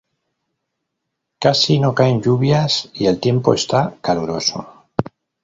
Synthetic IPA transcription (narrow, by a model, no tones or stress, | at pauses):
kasino̞kaeɲʎuβ̞jasie̞lt̪je̞mpo̞e̞st̪akaluɾo̞so̰